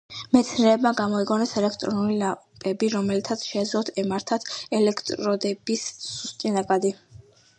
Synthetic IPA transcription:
mɛt̪sʰɾɛːbmaɡamɔiɡʼɔnɛsɛlɛkʰt̪ʼɾɔnulilapʼɛbiɾɔmɛlit̪ʰat̪sʰʃɛd̪zlˠɔt̪ʰɛmaɾt̪ʰat̪ʰɛlɛkʰt̪ʼɾɔd̪ɛbisːust̪ʼinakʼad̪i

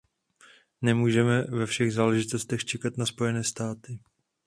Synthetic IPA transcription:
nɛmuːʒɛmɛvɛfʃɛɣzaːlɛʒɪt̪ost̪ɛxt͡ʃɛkat̪naspo̞jɛnɛːst̪aːt̪ɪ

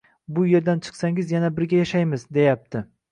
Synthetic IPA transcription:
bʊje̞ɾd̪ant͡ʃʰɨ̥qsaŋɪzjanabɪɾɡʲajaʃajmɪzd̪e̞jap̚t̪ʰɪ

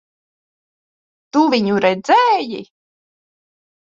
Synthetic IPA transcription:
t̪uvʲiɲuɾɛd̪zɛːji

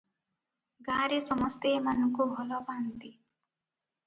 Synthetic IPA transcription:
ɡaɾesʌmʌst̪eːmanʌŋkubʱɔlɔbant̪i

